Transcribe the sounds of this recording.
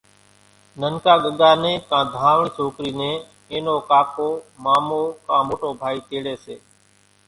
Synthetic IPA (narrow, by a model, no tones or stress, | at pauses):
nənkaːɠəɠaːnẽːkãːd̪ʱãːʋɳiːsoːkɾiːnẽː | eːnoːkaːpoːmaːmoːkãːmoːʈoːbʱaːiːt̪eːɽeːsḛː